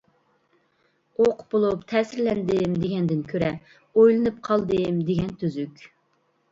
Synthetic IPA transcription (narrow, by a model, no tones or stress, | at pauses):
oqbolˠupt̪ʰɛːsɪɾlɛnd̪ɪmd̪eɡʲɛnd̪ɪnkʲʰøɾɛ | ojlˠɨnɨpqʰɑlˠd̪ɨmd̪eɡʲɛnt̪ʰøzykʲ